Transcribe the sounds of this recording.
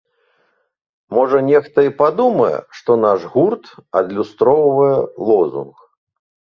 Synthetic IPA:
mɔʐɐnʲɛxt̪ɐipad̪umɐjɛ̰ʂt̪ɔnaʐɣurt̪ɐd̪lʲust̪ɾɔwvɐjɛlˠɔzṵnx

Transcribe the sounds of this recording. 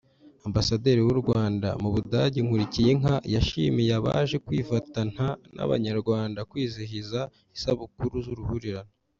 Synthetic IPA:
ambasade̞ːɾiwuɾɡwaːnda̰muβudaɟiŋ̥uɾicijeŋajaʃḭmijaβa̰ːʒe̞kwiːfatan̥hana̰βa̰ɲaɾɡwaːndakwiːziɦiza | isaβukuɾuzuɾuhuɾiɾana

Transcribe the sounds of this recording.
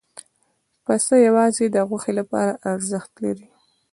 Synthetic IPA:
pasəjawɑzed̪əɣwaxelapɑ̰ɾaʔaɾzəxt̪laɾi

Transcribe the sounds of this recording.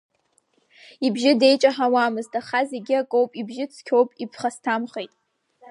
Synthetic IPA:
ibʒɪde̞jt͡ʃʼaħawaːmɨztʰʼaχaze̞ɡʲɪakʼowpʼibʒɪt͡sʰkʲʰo̞wpʼipʰχastʰamχejtʼ

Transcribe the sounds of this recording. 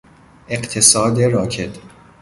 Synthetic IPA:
ʔe̞qt̪ʰesɒːd̪eɾɒːkʰe̞t̪ʰ

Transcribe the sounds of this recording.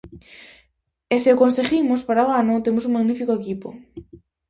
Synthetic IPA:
eseʊkonseɣimʊspaɾaoanʊt̪emʊs̬uŋmaɣnifikoekipo̰

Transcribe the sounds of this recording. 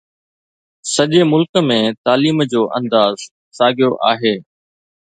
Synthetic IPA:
sɐʄeːmʊlkəmẽːt̪aːliːmd͡ʑoːʔɐ̰̃nd̪aːz | saːɡʱɪjoʔaːɦeː

